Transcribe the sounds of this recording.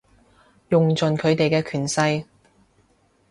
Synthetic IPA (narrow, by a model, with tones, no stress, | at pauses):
jʊ˨ŋt͡sɵ˨nkʰɵ˨˧ɥt̪e˨jkɛː˧kʰyː˨˩nsɐ˧j